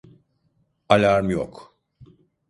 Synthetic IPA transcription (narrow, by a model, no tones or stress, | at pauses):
ɐlɐɾmjɔ̰k